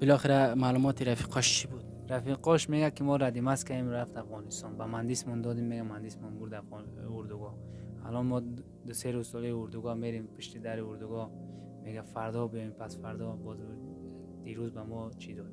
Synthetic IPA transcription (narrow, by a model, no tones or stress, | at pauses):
b̥ilɔχeɾamalumɔt̪ʰiɾafi̥qʰɔʃt͡ʃʰibud̪ | ɾafiqʰɔʃmeɡakimɔɾad̪imaskaemɾaft̪afʁɔnist̪ɔnbamand̪ismɔnd̪ɔd̪imːeɡamand̪ismɔnbuɾd̪auɾd̪uɡɔ | a̰lɔnmɔ | d̪useɾuzsɔliiuɾd̪uɡɔmeɾimpʰuʃt̪id̪aɾiuɾd̪uɡɔ | meɡafaɾd̪ɔbiimpʰasfaɾd̪ɔbɔz | d̪̥iɾuzbamɔt͡ʃʰid̪ɔd̪